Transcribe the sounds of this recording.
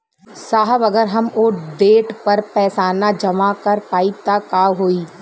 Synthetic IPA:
saːɦəbɐɡəɾɦɐmoːɖeːʈpɐɾpɛːsaːnad͡ʒɐmakɐɾpaːɪp̚t̪akaːɦoːiː

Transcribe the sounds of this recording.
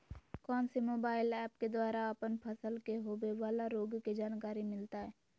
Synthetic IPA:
kɔːnsemoːbaːɪlɛːpked̪waːɾaəpənpʰəsəlkeɦoːbeʋaːlaɾoːɡked͡ʒaːnkaːɾimɪlt̪aɦɛː

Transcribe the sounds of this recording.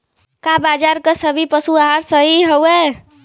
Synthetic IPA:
kabad͡ʒaɾkəsəbʱipəsuaɦaɾsəɦiɦəwe

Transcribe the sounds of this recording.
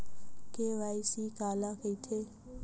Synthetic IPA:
kewaisikʼalakʰeitʰe

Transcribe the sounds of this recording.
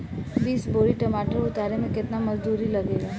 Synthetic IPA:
biːsboːɽiʈɐmaːʈoɾʊt̪aːɾemẽkɪt̪namɐzd̪uːɾilɐɡeːɡaː

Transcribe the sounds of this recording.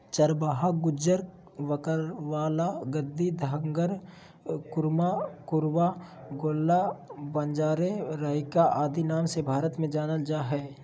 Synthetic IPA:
t͡ʃəɾbaːɦaɡʊd͡ʒəɾ | ʋəkəɾʋaːlaɡəd̪ːid̪ʱəŋɡəɾ | kʊɾmakʊɾwaɡoːlːabə̃nd͡ʒaːɾeɾəɪkaʔaːd̪inaːmsebʱaːɾət̪mẽd͡ʒaːnəld͡ʒaːɦɛː

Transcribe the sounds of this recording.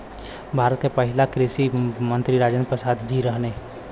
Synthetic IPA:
bʱaːɾət̪kepəɦɪlakɾɪʃimə̃nt̪ɾiɾaːd͡ʒənpɾəsaːd̪d͡ʒiɾəɦne

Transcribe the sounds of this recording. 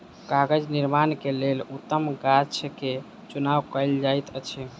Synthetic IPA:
kaɡəd͡ʒniɾmankelelut̪ːəmɡat͡ʃʰke | t͡ʃunawkəld͡ʒajt̪ət͡ʃʰɛ

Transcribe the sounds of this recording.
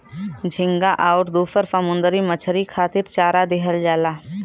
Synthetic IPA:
d͡ʒʱɪ̃ŋɡaʔaʊʈd̪uːfəɾsəmʊ̃nd̪əɾimət͡ʃʰəɾikʰaːt̪ɪɾt͡ʃaːɾad̪ɪɦəld͡ʒaːlaː

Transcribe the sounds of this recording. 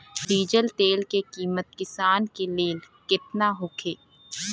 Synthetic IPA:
ɾiːd͡ʒəlt̪eːlkekiːmət̪̚kɪsaːnkeleːl | kɪt̪naɦʊkʰeː

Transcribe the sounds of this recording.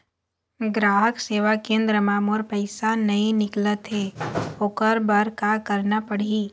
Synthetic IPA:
ɡɾaːɦəkseːʋakẽːnd̪ɾəmaːmoːɾpəɪsanɐĩnɪklət̪ɦeoːkəɾbəɾkakəɾnapəɽ̤iː

